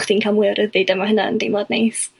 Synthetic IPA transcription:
χd̥iːnkʰamwɪɾəðɪdɛmaɦənaə̰ndejmɔdnejs

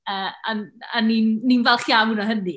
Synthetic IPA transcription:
əːananinːinvɛlˠχjawunɔɦəni

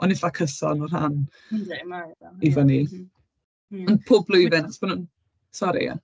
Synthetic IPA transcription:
ɔnɪfakʰəsɔ̰nɔrha̰n | ivɔni | ənpʰoːblˠʊjvɪnaχɔsb̥anuːn | sɔɾḭja̰

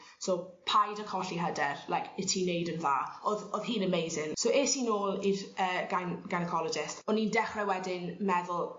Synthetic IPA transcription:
sopʰajdəkʰɔɬiɦədɛrlajkʰɪtʰinejdənvaːɔðɔðɦiːnəmejzɪnsoweːtʰiːnoːlˠirəːɡ̥anɡ̥anəkʰɔlˠɔd͡ʒɪstɔnːindɛχrɛwɛdɪnmɛðʊlˠ

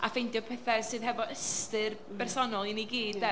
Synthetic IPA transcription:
afejntdjɔpʰəθɛ̥sɨːðɦɛvɔʔəstɨr | b̥ɛrsɔnɔlˠiniɡiːdðɛ

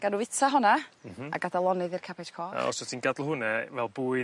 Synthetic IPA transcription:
ɡ̥anuvɪtʰaɦɔnaa̰ɡadalˠɔnɨðɨrkʰapʰɛtkʰɔːa̰ɔ̰sɔtʰiːnɡadlˠhʊnɛvɛlˠbuːɨ

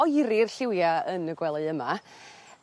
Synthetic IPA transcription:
ɔjɾirɬɪwjaənəɡwɛlˠɨəma

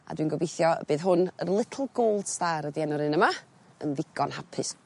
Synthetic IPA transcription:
a̰dwiːnɡɔbejθjɔ̰b̥eːðɦʊnərlˠɪtʰl̩ˠɡoːlˠd̥staɾədiɛnɔɾɨnəma | ə̰nvɪɡ̥ɔnhapʰɨs

